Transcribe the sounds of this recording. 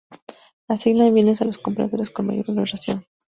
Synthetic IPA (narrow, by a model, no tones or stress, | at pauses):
asiɣnaðeβjenesalo̞sko̞mpɾa̰ðo̞ɾe̞skonma̰ʝo̞ɾulβesasjo̞n